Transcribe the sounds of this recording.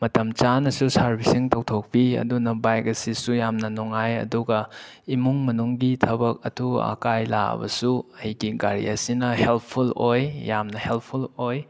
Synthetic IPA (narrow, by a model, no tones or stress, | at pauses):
mɐtɐmt͡ʃanɐsusaɾbisiŋtɐwtʰok̚piɐ̰dunɐbajk̚ɐsisujamnɐnuŋajɐ̰duɡɐimuŋmɐnuŋɡitʰɐbɐk̚ɐ̰tʰuɐ̰kajla̰bɐ̰suɐjɡiɡaɾḭɐsinɐhelpʰulojjamnɐhelppʰuloj